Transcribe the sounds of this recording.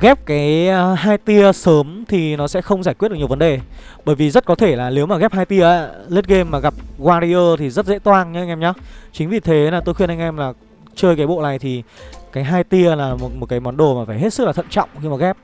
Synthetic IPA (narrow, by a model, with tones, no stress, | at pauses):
ɣɛ˦˥p̚kaː˨˦jɦaː˧jt̪i˧əsəː˨˦mt̪ʰi˨˩nɔ˨˦sɛ̰˧˥xə˧wŋ͡mzaː˧˩jkwt̚ɗkɲ˨ə˩vnɗe˨˩ | ɓəː˧˩jvi˨˩zə˦˥t̚kɔ˨˦t̪ʰe˧˩laː˨˩li˨˦wmaː˨˩ɣɛ˦˥p̚haː˧jt̪i˧əʔa̰˧˨le˦˥t̚ɣe˧mːaː˨˩ɣa˨˩p̚ɣwaː˧ɾi˧ʔəː˧t̪ʰi˨˩zə˦˥t̚zḛ˧˥t̪waː˧nɲɨ˧˦˧ŋʔɛ˧ɲaː˨˦t͡ɕï˨˦ŋ̟vi˨˩t̪ʰe˨˦laː˨˩t̪o˧jxwi˧ənʔa˧ŋ̟ʔɛ˧mlaː˨˩ | t͡ɕəː˧jkaː˨˦jɓo̰˧˨la̰ː˧˨jt̪ʰi˨˩kaː˨˦jɦaː˧jt̪i˧əlaː˨˩mo˨˩t̚mo˨˩kaː˨˦jmɔ˨˦nɗo˨˩maː˨˩faː˧˩jɦe˦˥tsɨ˦˥k̚laː˨˩ə̰˧˨nt͡ɕɔ̰˧˨wŋ͡mxi˨˧˦maː˨˩ɣɛ˦˥p̚